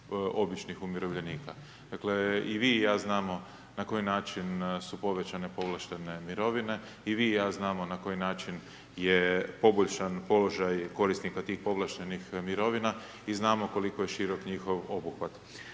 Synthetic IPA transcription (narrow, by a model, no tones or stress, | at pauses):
o̞bit͡ʃnixumiɾo̞ʋʎe̞niːka | d̪̥akle̞iʋijaːznaːmo̞ | nako̞jinaːt͡ʃinsupo̞ʋe̞t͡ɕane̞po̞ʋlˠaʃt̪ene̞miɾo̞ʋine̞ | iʋijaːznaːmo̞nako̞jinaːt͡ʃin | jepo̞boʎʃanpo̞lo̞ʒajko̞ɾisnikat̪iːxpo̞ʋlˠaʃt̪enixmiɾo̞ʋina | iznaːmo̞ko̞likojeʃiɾo̞kɲixo̞ʋo̞buxʋat̪